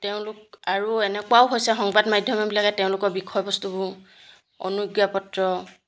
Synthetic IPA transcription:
teʊ̃lʊk̚aɹuɛnɛkwaʊɦojsɛɦɔŋbadmajdʱjɔmɔbilaɡɛteʊ̃lʊkɔɹbikʰɔjbɔstubʊ | ɔ̰nuɡjapɔtɹɔ

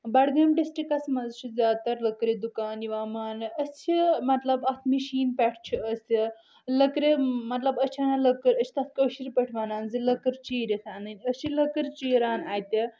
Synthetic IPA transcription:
bɐɽɡɐmɖisʈɾikɐsmɐzt͡ʃʰizaːt̪ɐɾlɐkɾid̪ukaːniʋaːmaːnɐsʰimɐt̪lɐbɐt̪ʰmiɕiːnpʲɛʈʰt͡ʃʰiəsi | ləkɾemɐt̪lɐbɐt͡ʃʰanaləkəɾɐsʰi̥t̪ɐt̪̚ʰkəɕiɾpɐʈʰʋananzɨləkəɾt͡ʃiːɾit̪ʰaːnɐnʲəsiləkəɾt͡ʃiɾaːnajt̪e

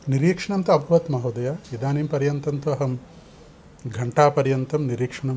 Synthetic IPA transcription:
niɾiːkʂɐɳɐnt̪uɐbʱɐʋɐt̪mɐɦɐd̪ɐjaid̪aːniːmpɐɾjɐnt̪ɐnt̪uɐɦɐm | ɡʱɐɳʈaːpɐɾjɐnt̪ɐmniɾiːkʂɐɳɐm

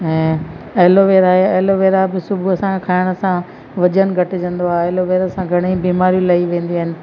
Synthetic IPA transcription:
ɛ̃ːɐɦloʋeːɾaːɦeɐloʋeːɾabɪsʊbʱuɐsãkʰaːɪɽ̃ə̆sã | ʋɐd͡ʑənɡʱɐʈɪd͡ʑɐ̃nd̪oaːɦeɐɦɪloʋeːɾəsãɡʱɐɽ̃ibiːmaːɾijũlɐiʋẽːnd̪iaːɦɪnɪ̆

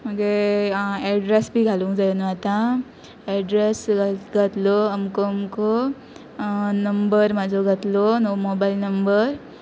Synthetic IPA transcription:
m̤əɡe | ɛɖɾesbʱiːɡʱaluŋɡd͡zajnəat̪ã | ɛɖɾesɡɡʱət̪lɔəmkomko | nəmbəɾmad͡zʱɔɡʱət̪lɔnomobailnəmbəɾ

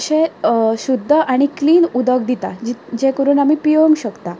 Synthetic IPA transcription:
ɕeɕud̪ʱːəʔaɽ̃ikliːnud̪ək̚d̪it̪a̰d͡ʑid͡ʑẽkəɾuːnamiːpijomɕəkt̪a

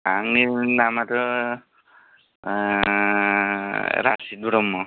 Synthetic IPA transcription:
aŋninamatɔ | ɾasid̪uɽɔmːɔ

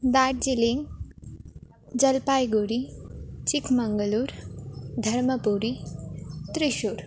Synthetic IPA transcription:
d̪aʈ̚d͡ʑiliŋɡ | d͡zəlpajɡuɾit͡ɕikʰməŋɡəluːɾd̪ʱɐɾməpuɾi | t̪ɾiɕuːɾ

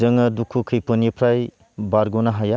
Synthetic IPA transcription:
ɐŋɐdukʰːukʰɯjpɔnipʰɾaj | baɾɡonɐɦaja

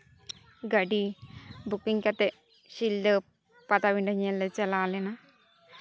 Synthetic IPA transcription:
ɡɐɖibukːiŋkɐt̪e | ʃild̪ə | pɐt̪ɐʋiɳɖɐɲelːet͡ʃɛlaːlenɐ

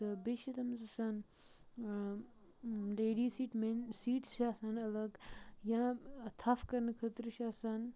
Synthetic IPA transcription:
t̪ɨbeʃit̪ɐmzɐsɐn | leːɖiːsiːʈmensiːʈsʃaːsɐnɐlɐɡjãt̪ʰafkɐɾnkʰɐt̪ɾɨʃaːsɐn

